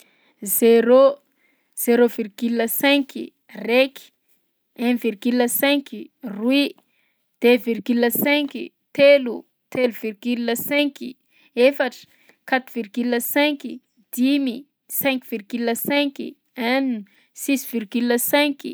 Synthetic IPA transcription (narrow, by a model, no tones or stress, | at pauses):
zeɾo | z̥eɾovirɡylːəsɛ̃kḭ | reki̥ | ɛ̃virɡyləsɛ̃ŋkirwi | d̪̥evirɡyləsɛ̃kḭ | t̪elu | t̪ʰeluvirɡylːəsɛ̃ki | efaʈ͡ʂə̥ | kat̪uvirɡyləsɛ̃ki | d̪̥imi | sɛ̃ŋkv̥irɡyləsɛ̃ŋkḭ | ani | sisvirɡyləsɛ̃kḭ